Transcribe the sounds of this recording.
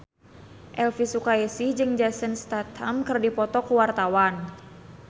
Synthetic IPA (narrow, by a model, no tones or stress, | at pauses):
ʔɛlfisukaesid͡ʒɨŋd͡ʒasənst̪at̪hamkɨrdipɔt̪ɔkuwart̪awan